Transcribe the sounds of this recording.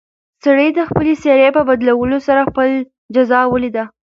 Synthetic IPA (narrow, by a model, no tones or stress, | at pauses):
saɽəjd̪əxpəleseɾepəbad̪lawəlosaɾaxpəl | d͡ʒazɑwəlid̪a